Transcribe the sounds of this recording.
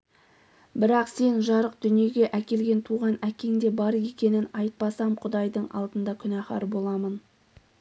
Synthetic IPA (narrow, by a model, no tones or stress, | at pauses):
bɪɾɑqse̞nʒɑɾəq̚d̪̥ʏnije̞ɡʲe̞ʔækʲe̞lɡʲe̞nt̪ʰuʁɑnækʲe̞ŋd̪e̞bɑɾje̞kʲe̞nɪnɑjt̪̚pɑsɑmqʰʊd̪ɑjd̪əɴɑ̰lˠd̪ənd̪ɑkʲʰʏnæχɑ̰ɾbo̞lˠɑmən